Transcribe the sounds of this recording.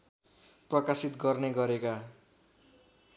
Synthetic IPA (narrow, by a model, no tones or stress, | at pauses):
prʌkasit̪ɡʌrneɡʌɾeka